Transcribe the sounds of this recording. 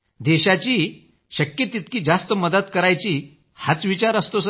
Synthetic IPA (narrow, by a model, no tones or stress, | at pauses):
d̪ɛɕat͡ɕiː | ɕəkjət̪it̪kiːd͡zast̪əməd̪ət̪kəɾajt͡ɕiː | hat͡sʋit͡ɕaɾəst̪os